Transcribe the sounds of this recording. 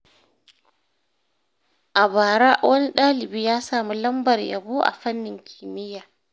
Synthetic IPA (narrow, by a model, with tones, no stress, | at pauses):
ʔa˨baː˨ɾaː˦ʔwʔɐ˦ni˦ɗaː˦lɪ˨biː˦jaː˦saː˨mu˦lɐ˦mbɐ˨rjɐ̰˨buː˦ʔa̰˨ɸɐ˦nːɪ˨ŋkʲʰiː˨mɪ˦jaː˨